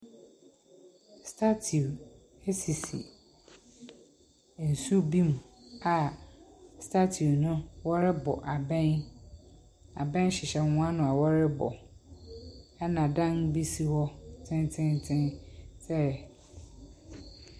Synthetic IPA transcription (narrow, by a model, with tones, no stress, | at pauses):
stʰa˦tʰi˨u˨ | e˦si˨sḭ˨ | n̩˨su˦bĩ˦mũ˨a˨ | stʰa˦tʰi˨u˨nʊ̃˦wɔ˦ɾɪ˦bɔ̰˨ʔa˨bɛ̃˦n | a˨bɛ̃˦n˦ɕɪ˨ɕɛ˦˨hʊ̃˦ã˦nʊ̃˨a˨wɔ˦ɾɪ˦bɔ̰˨ | ɛ˦nã˨dã˦nbi˦si˦wɔ˦tʰɪ̃˦ntʰɪ̃˦ntʰɪ̃˦nsɛ˦˨